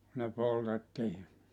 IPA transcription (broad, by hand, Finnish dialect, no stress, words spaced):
ne poltetːiː